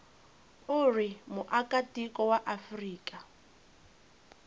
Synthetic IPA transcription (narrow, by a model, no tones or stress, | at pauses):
ʊrimʊʔakʼatikɔwaʔafriːkʼa